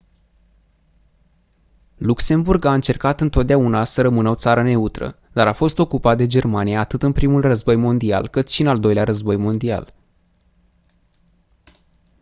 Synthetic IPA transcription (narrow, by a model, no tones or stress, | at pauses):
lukse̞mburɡaɨnt͡ʃe̞rkat̪ɨnt̪o̞t̪̚d̪eaunasəɾəmɨnəo̞t̪saɾəne̞ut̪ɾə̰ | d̪aɾafo̞st̪o̞kupat̪̚d̪e̞d͡ʒe̞rmanijaːt̪ɨt̪ɨnpɾimulrəzbo̞jmo̞nd̪ia̰lkɨt̪ʃiɨnald̪o̞jleaɾəzbo̞jmo̞nd̪ia̰l